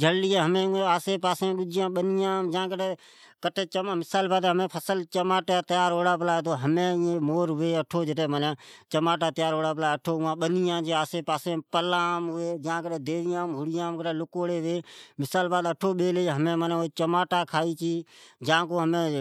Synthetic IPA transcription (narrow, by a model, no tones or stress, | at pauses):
d͡ʒʱəɽlɪjẽːɦəmẽːʊ̃ẽːaːseːpaːsẽːɗʊd͡ʒɪjãːɓənɪjãːmd͡ʒãːkəʈː | kəʈʰeːt͡ʃəmmɪsaːlbaːd̪ɦəmẽːpʰəsəlt͡ʃəmaːʈaːt̪ɪjaːɾɦoːɽaːp̬əlaːeːt̪oːɦəmẽːẽːmoːɾɦʊʋeːəʈʰoːd͡ʒɪʈeːməneːt͡ʃəmaːʈ̬aːt̪ɪjaːɾɦoːɽaːp̬laːəʈʰoːʊ̃ãːɓənɪjãːd͡ʒeaːseːpaːsẽːpəlãːmɦʊeːd͡ʒãːkəʈeːd̪eːʋɪjãːmɦʊɽɪjãːmkəʈeːlʊkoːɽeːʋeːmɪsaːlbaːd̪əʈʰoːɓeːleːɦəmẽːmənẽoeːt͡ʃəmaːʈaːkʰaːiːt͡ʃiːd͡ʒãːkoːɦəmẽː